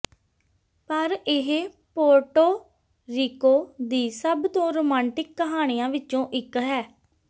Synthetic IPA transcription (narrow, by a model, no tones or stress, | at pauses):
pəɾɪɦ | poːɾʈoː | ɾiːkoːd̪iːsəbd̪õːɾoːmãːɳʈɪkːəɦaːɽ̃ijãːʋɪt͡ʃõːʔɪkɦɛː